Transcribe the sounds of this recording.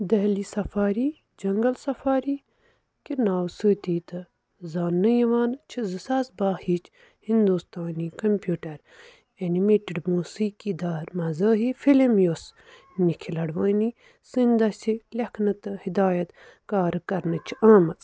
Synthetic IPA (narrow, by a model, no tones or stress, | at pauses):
d̪ɐɦlisɐfaːɾiː | d͡ʒɐŋɡɐlsɐfaːɾiː | kinaːwsəːt̪iːt̪ɨ | zaːnɨjiʋaːnt͡ʃʰizɨsaːsbaːhit͡ʃʰ | hind̪ust̪aːniːkɐmpjuːʈɐɾ | ɐnimeːʈiɖmuːsiːkid̪aːɾmɐzɐːɦifilimjos | nikʰilɐɽʋɐːni | sɨnd̪ɐsʲilʲɐkʰnɐt̪ɨhid̪aːjɐt̪ | kaːɾɨkɐɾnɨt͡ʃʰi̥aːmɐt͡s